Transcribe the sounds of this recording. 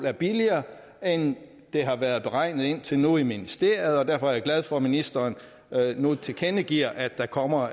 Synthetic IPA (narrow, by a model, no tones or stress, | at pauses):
æɐb̥iliɐː | en | d̥e̝ɦɑ̈ʋæɐð̞ˠb̥e̝ʁɑ̈ɪ̰nð̞̩ˠe̝n̰t͡sʰe̝lnuiminisd̥e̝ɐ̰jð̩ˠɒ̽d̥æɐfɒ̽æɐjäɡ̥læð̞ˠfɒ̽minisd̥ɐːn | nut͡sʰe̝kʰenəɡ̥iɐ̰ʔæd̥ːɑ̈kʰɒ̽m̰ɐ